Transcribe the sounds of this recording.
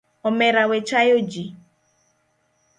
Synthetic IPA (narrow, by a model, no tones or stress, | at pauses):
ɔmeɾawet͡ʃajod͡ʒi